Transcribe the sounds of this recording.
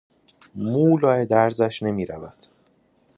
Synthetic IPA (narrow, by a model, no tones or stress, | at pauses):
muːlɒːed̪æɾzæʃne̞miːɾævæd̪̥